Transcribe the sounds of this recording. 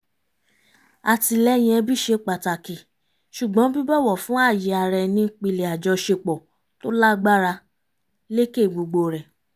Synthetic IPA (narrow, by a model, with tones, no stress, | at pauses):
a˨ti˧lɛ˦j̃ɛ̃˧bi˦ʃe˧k͡pa˨ta˨ki˨ | ʃu˨ɡ͡bɔ̃˨˦bi˦bɔ˦˨wɔ˦˨fũ˦a˦˨ji˨a˧ɾɛ˧nĩ˧k͡pi˧le˨a˨d͡ʒɔ˧ʃe˧k͡pɔ˨ | to˦la˦ɡ͡ba˦ɾa˧ | le˦ke˦˨ɡ͡bo˧ɡ͡bo˧ɾɛ˨